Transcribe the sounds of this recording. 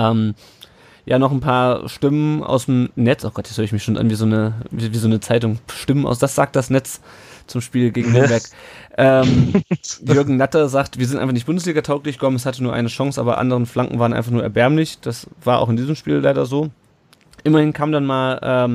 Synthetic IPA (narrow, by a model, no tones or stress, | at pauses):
ʔɛːm | jaːnɔχnpʰaːɐʃtɪmənʔa̰ʊsmnɛt͡sʔaʊxɡ̥ɔtjɛt͡shøːɐəɪçmɪçʃoːnʔa̰nviːzoːnəiviːzoːnət͡saɪt̬ʊŋʃtɪmənʔa̰ʊsd̥asz̥aːk̚td̥asnɛt͡st͡sʊmʃpiːlɡeːɡŋ̩habɛɐkʔɛːm | jʏɐɡŋ̩natɐzaːk̚tviːɐzɪntʔaɪfaχnɪçt̚bʊndəsliːɡɐtʰaʊklɪçɡ̥əkʰɔməmɛshatənuːɐʔaɪnəʃɔŋsʔa̰ːbɐ̰ʔa̰ndəʁənflaŋkŋ̩vaːʁənʔaɪfaχnuːɐɛɐbɛɐmlɪçd̥asv̥aːɐʔa̰ʊxɪndiːzəmʃpḭːlaɪɾɐzoː | ʔɪmɐhɪnkʰaːmdanmaːlʔɛːm